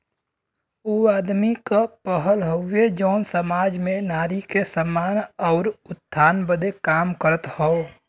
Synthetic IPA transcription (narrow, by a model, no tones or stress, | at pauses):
uaːd̪mikapəɦəlɦoed͡ʒəʊnsəmaːd͡ʒmenaːɾikesəmːaːnəʊɾʊt̪̚ʰːaːnbəd̪ekaːmkəɾət̪hɔo